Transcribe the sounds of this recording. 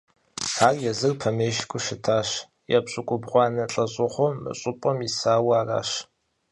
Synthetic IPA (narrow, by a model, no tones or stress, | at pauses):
aːrjɛzɨrpʰɐmeːʃkʷʰʼʊʃɪtʰaːɕ | jɛ̰bɕʼʊkʷʼʊbʁʷɑːnɐɬʼɐɕʼʊχʷoːɨ̰ɕʼʊpʼɐmisaːwaːra̰ːʃ